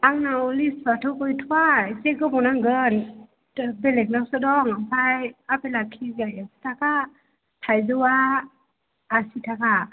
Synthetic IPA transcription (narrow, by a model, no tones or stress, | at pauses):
ʔaŋnawlisfatʰokoit̪ʰuajseɡɔbɔnaŋɡən | belek̚nawsadɔŋapʰajapelakʰiɡajesi̥t̪ʰaka | t̪ʰajzuwa | ʔːsit̪ʰaka